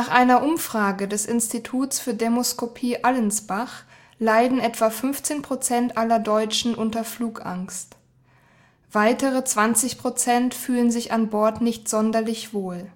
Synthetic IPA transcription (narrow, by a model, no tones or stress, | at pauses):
naːχʔaɪnɐʔʊmfʁ̥aːɡədɛsʔɪnstitʰuːtsfyːɐdemoskʰopʰiːʔalənsb̥aχ | laɪdn̩ʔɛtv̥afʏnft͡seːnpʁ̥ot͡sɛntʔalɐdɔʏt͡ʃn̩ʔʊntɐfluːkʔa̰ŋst | v̥aɪtəʁət͡sv̥ant͡sɪçpʁ̥ot͡sɛntfyːlənzɪçanbɔɐtnɪçtz̥ɔndɐlɪçv̥oːl